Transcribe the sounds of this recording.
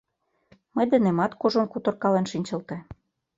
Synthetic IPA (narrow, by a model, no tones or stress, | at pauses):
mɤjd̪ə̆nemɑt̪koʒonkut̪ɤ̆rkɑlenʃinʲt͡ɕɤ̆lt̪e